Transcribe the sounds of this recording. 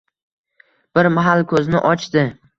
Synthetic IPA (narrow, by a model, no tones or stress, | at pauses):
b̥ɪɾmaɦalˠkʰɵznɪʔɒt͡ʃt̪ɪ